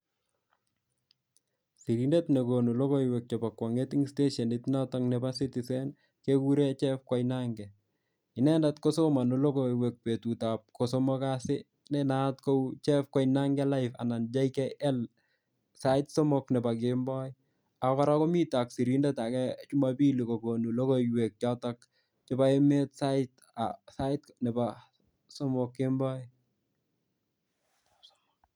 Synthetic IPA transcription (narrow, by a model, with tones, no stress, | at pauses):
si˨ɾindetnekonu˨lo˦ko˦iwɛk̚t͡ʃɔ˨pa˨kːwa˨ŋeti˦ŋste˦ʃe˨nitnataŋnɛbasitisɛn | keku˦ɾet͡ʃɛ˦fkɔ˦jnaŋɡɛ | ɪ˨nɛ˦ndatkoso˦ma˨nu˨lo˦koiwɛ˨k̚pe˨tu˨tap̚kosomɔkasɪ | nɛna˦tko˦wt͡ʃɛfkwɔ˦jnaŋɡɛla˦jfa̰˨na˨nd͡ʒa˦jkɛʔɛ˦l | sa˦ɪtso˦moknɛ˨ba˨k̬ɪmbɔɪ | a˨kɔ˦ɾako˦mi˦ta˨ksi˨ɾindɛta˨kɛt͡ʃu˦mapi˦li˨ko˨bo˨nu˨lo˦kowek̚t͡ʃɔ˦tɔk | t͡ʃɪ˦ba˦eme˦tsa˦ɪt | asa˦ɪt̚nɛ˨ba | so˦mʊkːɪ˦mbɔ˦j